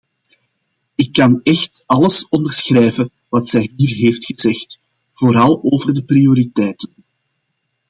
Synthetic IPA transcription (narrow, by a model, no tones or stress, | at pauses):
ɪkːɑnɛxtɑləsɔndərsxrɛːvə | ʋɑtsɛjɦiːrɦeːftxəzɛxt | v̥oːɾɑlˠoːvərdəprijoɾitɛːtən